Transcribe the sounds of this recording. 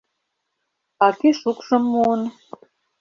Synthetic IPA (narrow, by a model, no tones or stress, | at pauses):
ɑkeʃukʃɤ̆mːun